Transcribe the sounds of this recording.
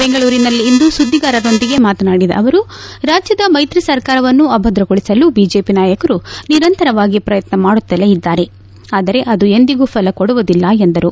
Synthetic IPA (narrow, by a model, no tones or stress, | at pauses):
beŋɡɐɭuːɾinɐlːiːnd̪usud̪ʱːiɡaːɾɐɾo̞nd̪iɡe̞maːt̪ɐnaːɽid̪ɐ̰ʔɐʋɐɾuɾaːd͡ʒjɐd̪ɐmɐjt̪ɾisɐɾkaːɾɐʋɐnːuɐbʱɐd̪ɾɐɡoɭisɐlubiːd͡ʒe̞ːpinaːjɐkɐɾuniɾɐnt̪ɐɾɐʋaːɡipɾɐjɐt̪nɐmaːɽut̪ːɐleid̪ːaːɾe̞ | aːd̪ɐɾe̞ʔɐd̪ue̞nd̪iɡupʰɐlɐkoɽuʋud̪ilːɐend̪ɐɾu